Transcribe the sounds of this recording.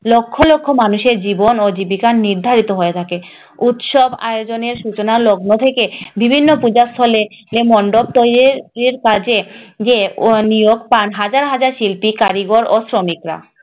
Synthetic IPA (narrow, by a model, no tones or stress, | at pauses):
lokʰːolokʰːomanuʃeɾd͡ʑibonod͡ʑibikanːiɾd̪ʱaɾit̪oɦoet̪ʰake | ut̪ʃɔba̰eod͡ʑoneɾʃut͡ɕonaloɡnot̪ʰekebibʱinːopud͡ʑast̪ʰɔlelemɔɳɖob̚t̪ojɾiɾiɾkad͡ʑed͡ʑenijoɡpanɦad͡ʑaɾɦad͡ʑaɾʃilpikaɾiɡoɾosɾomikɾa̰